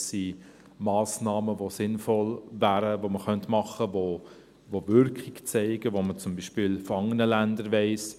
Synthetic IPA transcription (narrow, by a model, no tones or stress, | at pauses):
si | mɑːsnɑːməʋosɪnfɔlvæːɾəʋoməχœntmɑχəʋo | ʋovʏɾkχɪɡt͡sɛɪɡəʋomət͡sʊmbiʃpiːlfɔɑŋənəlændəɾʋɛɪs